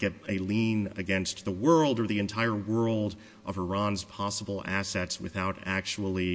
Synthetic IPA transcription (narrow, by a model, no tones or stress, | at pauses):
ɡɛɾɨlĩnɨ̰ɡɛ̃nst̪ðəwɜ˞lˠdə˞ðiɨ̃ntʰaɪə˞wɜ˞lˠd | ʔʌvə˞ɑ̃nz̥pʰɑsəbl̩ˠæsɛtswɨ̰θaʊɾæk̚t͡ʃul̩ˠi